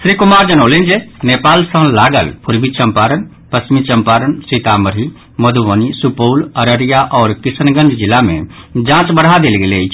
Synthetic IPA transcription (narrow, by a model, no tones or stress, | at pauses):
sɾikʊmaːɾd͡ʒənəːlend͡ʒenepaːlsə̃ɦlaːɡə̰lpʰʊɾbʱit͡ʃə̃mpaːɾən | pəsmit͡ʃəmpaːɾənsit̪aməɾi | məd̪ʱuʋənisupoːləɾəɾijaʔɔːɾkɪsənɡənd͡ʒd͡ʒɪlːamḛ̃d͡ʒãːt͡ʃbəɽ̤ad̪elɡelet͡ʃʰ